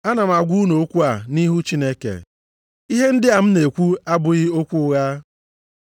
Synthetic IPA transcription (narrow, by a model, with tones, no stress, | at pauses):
a˦na˨m̩˨a˨ɡʷu˦no˨o˦kʷu˦a˨ni˦ɦu˦t͡ʃi˦ne˦kḛ˨ | i˦ɦe˦n̩˦dɪ˦a˨m̩˦ne˨kʷu˦a˦bʊ˨ɣɪ˦o˦kʷu˦ɣa˦